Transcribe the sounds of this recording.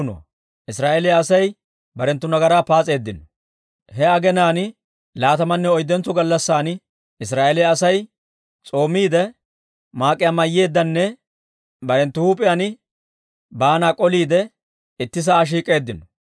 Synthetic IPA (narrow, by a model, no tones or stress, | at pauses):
nɔ̰ | ʔɪsɾaːʔɛlɪjaːsɐj | bɐɾɛnt̪ːʊnɐɡɐɾaːpaːt͡sʼe̞ːd̪ːɪnɔ | hɛɐɡɛnaːn | laːt̪ɐmɐnːɛɔjd̪ːɛnt͡sːɔɡɐlːɐsːaːn | ɪs̬ɾaːʔɛlɪjɐːsɐj | t͡sʼo̞ːmːiːd̪ɛ | maːkʼːɪjamɐjːe̞ːd̪ːɐnːɛ | bɐɾɛnt̪ːʊhuːpʼːɪjanɪ | baːnaːkʼɔliːd̪ɛ | ɪt̪ːɪs̬aːʃ̬iːkʼe̞ːd̪ːɪnɔ